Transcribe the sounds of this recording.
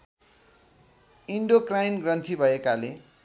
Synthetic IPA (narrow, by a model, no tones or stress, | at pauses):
iɳɖokrajnɡrʌnt̪ʰibʱʌekale